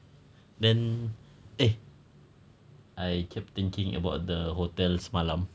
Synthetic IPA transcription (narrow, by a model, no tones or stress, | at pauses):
dɛ̃n | e | ʔajkʰɛp̚t̪ɪ̃ŋkɪ̃ŋə̰baʊt̚dəɦot̪ɛlsmalãm